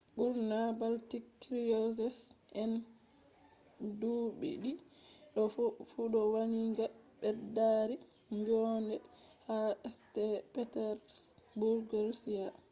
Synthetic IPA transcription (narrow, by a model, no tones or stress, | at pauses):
buɾnabaltikːɾijɔsɛsʔɛn | duɓḭɗiɗɔfuɗɔwaniŋɡaɓɛdaɾi | ŋɡɔndɛ | haɛstɛpɛtɛɾsbuɾɡɔɾsia